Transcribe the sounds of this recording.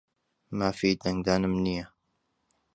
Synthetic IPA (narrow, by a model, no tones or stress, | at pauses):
maːfid̪ɐŋɡ̚d̪aːnɨmnijɐ